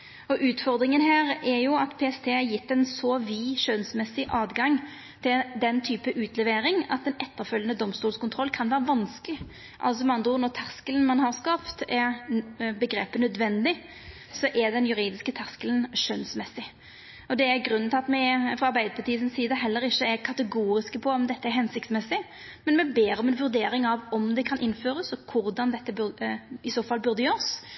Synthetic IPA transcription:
ɔʔʉːt̪fɔʁd̪ɾɪŋənɦæːɾɛjʊɑt̪pʰɛɛst̪ʰeːæɾjɪt̪ːɛnsɔʋiːʃøːnsmɛsːɪʔɑːd̪ɡɑŋ | t̪ʰɪld̪ɛnt̪ʰyːpəʔʉːt̪ʰlɛʋeːɾɪŋɑ̰t̪d̪ɛnʔɛt̪ːəʁfœlːənəd̪ɔmst̪uːlskʊnt̪ʰʁɔlːkʰɑnʋæːʁəʋɑnsklɪ | ʔɑ̰ls̬ɔmɑnd̪uːnɔʁt̪ʰæʁskələn̩mɑnhɑʁskɑːpt̪ɛɾbəɡɾeːpənœd̪ʋɛnd̪ɪ | sɔʔɛɾd̪ɛnjʉɾiːd̪ɪskət̪ʰæʁskələnʂœnsmɛsːɪ | ɔd̪ɛæɾɡɾʉnːəɪɑt̪mɛfʁɑɑɾbæɪd̪əpʰɑt̪iːsɪnsːiːd̪əɦɛlːəɾɪçːəɛɾkʰɑt̪əɡuːɾɪskəpʰɔɔmd̪ɛt̪ːəɛɦɛnsɪk̚t̪smɛsːɪ | mɛnmɛbeːɾɔmɛnʋʉɾd̪eːɾɪŋɑʋɔmd̪ɛkʰɑnʔɪnːføːɾəsɔkʰʊɾd̪ɑnd̪ɛt̪ːəbɪsoːfɑlːbʉɾd̪əjøːɾs

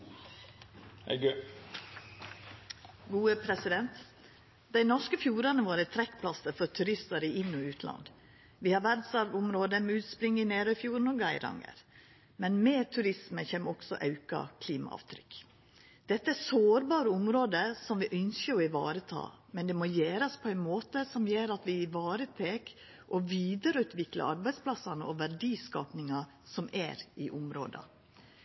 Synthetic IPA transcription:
ɡ | ɡuːəpʰɾɛsɪd̪ɛnt̪ | d̪̥æɪnɔʂkəfjuːɾɑnəʋoːɾət̪ʰɾɛkːpʰlɑsəɾfɔɾt̪ʰʉɾɪst̪əɾiʔɪnːɔʉːt̪ʰlɑ̰nd̪ | ʋiːhɑɾʋæɾd̪sɑɾʋʊmɾoːd̪əmɛʉːt̪spɾɪŋːɪneːɾœfjuːɾn̩ɔɡæɪɾɑ̰ŋə̰ɾ | mɛnmeːt̪ʰʉɾɪsməçeːməɔksɔ̰ʔɑʉkɑ̰kʰliːmɑ̰ɑ̰ːʋt̪ʰɾʏk | d̪̥ɛt̪ːəæsoːɾbɑːɾəʊmɾoːd̪əsɔmʋɪʔœnskəɾɔɪʋɑ̰ːɾət̪ʰɑ̰ː | mɛnd̪ɛmojeːɾɑspʰɔæɪnmoːt̪əsɔmjeːɾɑt̪ʋɪɪʋɑːɾət̪ʰeːk | ʔɔʋiːd̪əɾəʉːt̪ʋɪklɑ̰ɑɾbæɪd̪spʰlɑsɑnəʔɔʋæɾɖiːskɑːpnɪŋɑ | sɔmæ̰ɾʔɪʔʊmɾo̰ːd̪ɑ̰

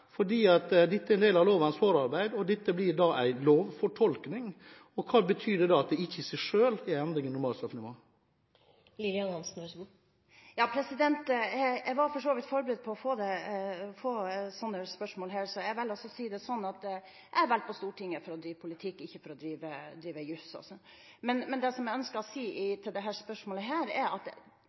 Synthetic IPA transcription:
fɔɖiːɑt̪d̪ɛt̪ːəɾɛnd̪eːlɑʋloːʋɑnsfoːɾɑɾbæɪd̪ɔd̪ɛt̪ːəblɪɾd̪ɑʔæɪloːʋfɔʈʰɔlknɪŋ | ɔkʰɑːbət̪ʰyːd̪ɛd̪ɑɑt̪̚d̪ɛɪçːəsɛʂøːlɪɛnd̪ɾɪŋənnʊɾmɑːlst̪ɑfnɪʋoː | lilɪɑnhɑnsn̩ɔs | jɑːpʰɾɛsɪd̪ɛnt̪ɛjæʋɑɾfɔʂoːʋɪt̪fɔɾbəɾɛd̪̚pʰɔɔfoːd̪ɛfoːsɔnːəspœʂmoːlɦæːɾsɔjæɪʋɪlɔsːɔsiːd̪ɛsɔnːɑt̪̚ | ææɾʋælt̪̚pʰɔst̪uːʈʰɪŋːəfɔɾɔd̪ɾiːʋpʰʊlɪt̪ʰɪkːɪçːəfɔɾɔd̪ɾiːʋəd̪ɾiːʋəjʉsɔ̰sɔ | mɛnmɛnd̪ɛsɔmjæɪœnskəɾɔsiːʔɪt̪ʰɪld̪ɛɦæːspœʂmoːləɦæːɾæɑt̪

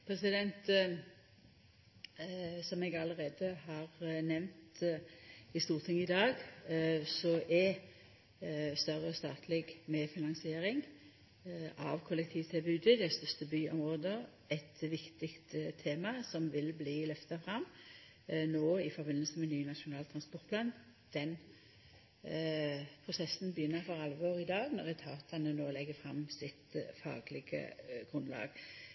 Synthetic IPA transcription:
pʰɾɛsɪd̪ɛnt̪ | sɔmɛɡɑləʁeːd̪əhɑːʁnɛʋnt̪ | ɪst̪uːʁt̪ʰɪŋːəɪd̪ɑːɡ | sɔʔɛ | st̪œʁəɔst̪ɑ̰ːt̪ʰlɛɡmɛfɪnɑnsɪeːɾɪŋ | ʔɑ̰ʋkʰʊlːɛkt̪ʰiːʋt̪ʰɛlbʉːd̪ɪd̪ɛst̪œst̪əbyːɔmʁoːd̪ə | ɛt̪ʋɪkt̪ɪkt̪t̪ʰːeːmɑsɔmʋɪlbliːlœft̪ɑfʁɑm | noːɪfɔbɪnːəlsəmɛnyːnɑʃʊnɑːlt̪ʰʁɑnspɔt̪pʰlɑːn | d̪̥ɛn | pʰʁʊsɛsn̩bəjʏnːəɾfɔʁɑlʋɔːʁɪd̪ɑːɡnɔʁɛt̪ʰɑːt̪ɑnənoːlɛɡːəfɾɑmsɪt̪fɑ̰ːɡlɪɡə̰ɡ̥ʁʉnlɑ̰ːɡ̥

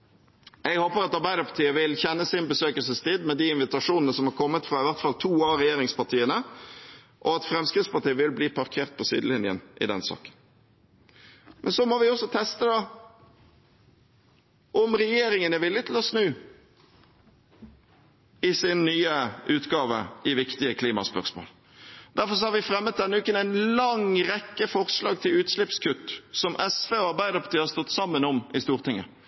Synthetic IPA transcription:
ɛɡhoːpəɾɑt̪ɑɾbæɪd̪əpʰɑt̪iːəʋɪlçɛnːəsɪnbəsøːkəlsəst̪iːd̪mɛd̪iːɪnʋɪt̪ɑʂuːnənəsɔmhɑɾkʰɔmːət̪fʁɑːɪʋæʁt̪fɑlt̪ʰuːɑɾɛjeːɾɪŋspɑt̪ʰiːənə | ʔɔɑt̪fɾɛmskʁɪt̪spɑʁt̪iːəʋɪlbliːpʰɑʁkʰeːʁt̪̚pʰɔsy̰ːd̪əlɪnjɪə̰nʔɪ̰d̪ɛnsɑ̰ːkə̥n | mʔɛ̰nsɔmɔʋɪɔsːɔt̪ʰɛst̪əd̪ɑ | ʔɔmɾɛjeːɾɪŋənɛʋɪljət̪ʰl̩hɑsnʉː | ɪsɪnːyːəʔʉːt̪ɡɑːʋə̰ɪʋɪkt̪ɪəkʰliːmɑ̰spœ̰ʁsmo̰ːl | d̪æɾfɔɾs̬ɔhɑɾʋɪfɾɛmːət̪̚d̪ɛnːəʉːkənæɪnlɑŋɾɛkːəfɔʁslɑːɡt̪ʰɪlʉːt̪slɪpskʰʉt̪ːsɔmʔɛsʋeːɔɑɾbæɪd̪əɾpʰɑt̪ʰiːəhɑɾst̪ɔt̪ːsɑmːənɔmɪst̪uːʁt̪ɪŋːə

